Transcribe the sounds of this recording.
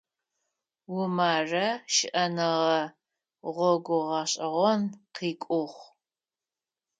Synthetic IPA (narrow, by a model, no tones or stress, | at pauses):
wʊmaːrɐʃɪʔɐnɐʁɐ | ʁʷɔɡʷʊʁɐɕʼɐʁʷɔnqiːkʷʼʊχʷ